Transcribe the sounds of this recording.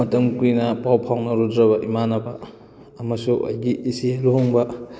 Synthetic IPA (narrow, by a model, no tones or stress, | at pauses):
mɐtɐmkujnɐpawpʰawnɐɾudɾɐβɐʔimanɐbɐː | mɐsuʔɐ̰jɡiʔːsieluɦuŋbɐ